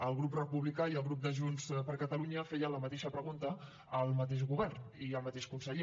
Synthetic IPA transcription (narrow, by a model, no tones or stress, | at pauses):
əlˠɣɾuprəpuβlikaiəlˠɣɾup̚d̪əʒunspəɾkət̪əluɲəfɛjələmət̪eʃəpɾəɣ̞unt̪ə | əlˠmət̪̬eʒɣuβ̞ɛrniəlˠmət̪eʃkunsəʎe